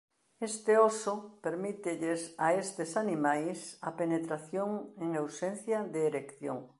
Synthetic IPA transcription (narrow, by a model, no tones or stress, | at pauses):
est̪eosopeɾmit̪ɪʎesaest̪esanimajsɐpenet̪ɾaθjoŋeŋewsẽn̟θjaðeːɾekθjo̰ŋ